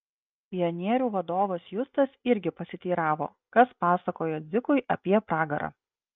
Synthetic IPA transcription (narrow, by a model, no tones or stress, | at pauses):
pʲɪjɔnʲiɛɾʲuːʋɐd̪oːʋɐsjʊst̪ɐsɪɾʲɡʲɪpɐsʲɪt̪ʲiːɾɑːʋo̰ː | kɐspɑːsɐkoːjoːd̪zʲɪkʊɪʔɐpʲiɛpɾɑːɡɐɾʔɑ̰ː